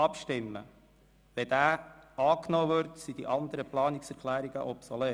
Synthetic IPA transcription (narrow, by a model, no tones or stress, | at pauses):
ɑpʃtɪmːə̰ | ʋɛd̪æːɑːknoːʋʏɾtsid̥̪ḭʔɑnd̪əɾəplɑːnɪksɛɾkʰlæːɾiɡə̰ʔɔpsɔleː